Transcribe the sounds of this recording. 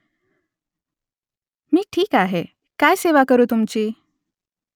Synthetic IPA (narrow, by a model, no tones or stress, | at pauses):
miːʈʰiːkaɦe | kajseʋakəɾuːt̪umt͡ɕiː